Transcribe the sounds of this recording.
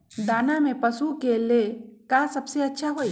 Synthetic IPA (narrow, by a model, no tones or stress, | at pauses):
d̪aːnamẽpɐsukelekasɐbseɐtːʃʰaɦoːi